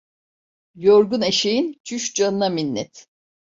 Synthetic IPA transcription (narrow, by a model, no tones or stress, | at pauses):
joɾɡuneʃejint͡ʃʰyʃd͡ʒanɯnaminːɛ̰t̪